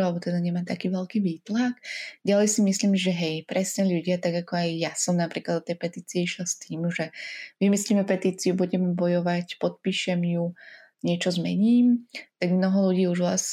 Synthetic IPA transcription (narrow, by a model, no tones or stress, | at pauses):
alɛbɔt̪ɛd̪aɲɛmaːt̪akiːʋɛlkiːʋiːt̪laɡɟalɛjsimisliːmʒɛɦɛjpɾɛsɲɛʎuɟɪat̪aɡakɔajːasɔmnapɾiːklad̪ɔt̪ɛjpɛt̪iːt͡siɛiʃlast̪iːmʒɛʋimisliːmɛpɛt̪iːt͡siubuɟɛmbɔjɔʋacpɔt̪̚piːʃɛmju | ɲɪɛt͡ʃɔzmɛ̰ɲiːmt̪aɡmnɔɦɔluɟiːuʒʋla̰s